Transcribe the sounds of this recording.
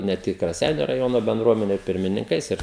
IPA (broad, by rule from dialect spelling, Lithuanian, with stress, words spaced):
nʲɛ ˈtʲɪk rɐˈsʲɛɪnʲʊ rɐˈjoːnoː bʲɛnˈdruɔmʲɛnʲʊ ɪr pʲɪrʲmʲɪnʲɪŋˈkɐɪs ˈɪr